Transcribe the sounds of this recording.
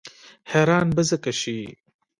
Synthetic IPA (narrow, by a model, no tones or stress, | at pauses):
heːɾaːnbɐzɐkɐɕi